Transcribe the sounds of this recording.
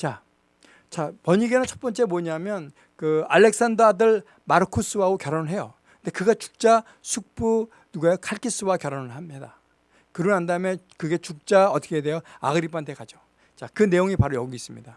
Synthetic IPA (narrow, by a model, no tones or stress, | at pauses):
t͡ɕa | t͡ɕapʌɲiɡe̞nɯnt͡ɕʰʌp͈ʌnt͡ɕ͈e̞moɲamjʌn | kɯalːe̞k̚s͈andʌdɯɭ | maɾɯkʰus͈ɯwaɡokjʌɾʌnɯɭɦe̞jo | ɯnde̞kɯɡat͡ɕu̥k̚t͡ɕ͈a | sʰuk̚p͈u | nuɡajokʰaɭk͈ʰis͈ɯwakjʌɾʌnɯɭhamɲida | kɯɾʌɦandaɯmekɯɡe̞t͡ɕuk̚t͡ɕ͈aʌt͈ʰʌ̥kʰede̞joa̰ɡɯɾipʰantʰekad͡ʑo | t͡ɕakɯne̞joŋipaɾojʌɡiis͈ɯmɲida